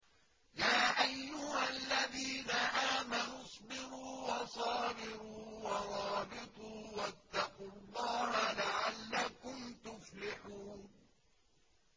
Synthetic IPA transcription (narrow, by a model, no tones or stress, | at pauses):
jaːʔajːʊhalːaðiːnaʔaːmanʊsˤbɪɾuːwɑsˤɑːbɪɾuːwɑɾˤɑːbɪt̪ˤuːwat̪ːɑqʊlˤːɑːhalaʕalːakʊmt̪ʊflɪħuːn